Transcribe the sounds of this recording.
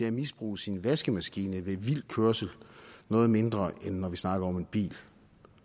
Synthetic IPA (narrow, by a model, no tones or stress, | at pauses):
deæmisb̥ʁṵːsinʋæsɡ̥əmæsɡ̥iːnəʋe̝ʋil̰d̥̚kʰøɐsl̩nɔ̽ːð̩ˠme̝nd̥ʁɐʔenːɒʋisnɑ̈ɡ̥ɐɒ̽me̝nb̥ḭːl